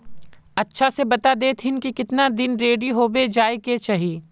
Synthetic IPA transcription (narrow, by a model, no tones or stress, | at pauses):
ɐtːʃʰasebɐt̪ad̪eːt̪ʰɪnkikɪt̪nad̪ɪnɾeːɖiɦoːbed͡ʒaːeket͡ʃaɦiː